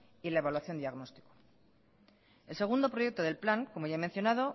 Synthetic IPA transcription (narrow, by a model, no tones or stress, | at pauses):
ilae̞βalwaθjo̞nd̪iaɣno̞st̪i̥ko̥ | e̞lse̞ɣ̞und̪o̞pɾo̞je̞k̚t̪oðe̞lplaŋkomo̞jʝaemenθjo̞naðo̞